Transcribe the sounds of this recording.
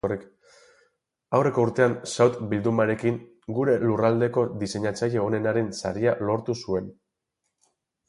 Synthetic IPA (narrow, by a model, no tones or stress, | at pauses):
orik | awre̞kouɾt̪e̞ansawt̪bild̪umaɾe̞kiŋ | ɡuɾe̞lurald̪e̞ko̞d̪ise̞ɲat͡saje̞one̞naɾe̞nsa̰ɾialo̞ɾt̪usue̞n